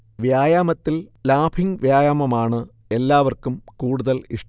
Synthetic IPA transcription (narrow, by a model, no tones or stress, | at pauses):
ʋjaːjaːmɐt̪ːillaːbʰʱiŋʋjaːjaːmɐmaːɳɨ | e̞lːaːʋɐrkumkuːɽuðɐliʂ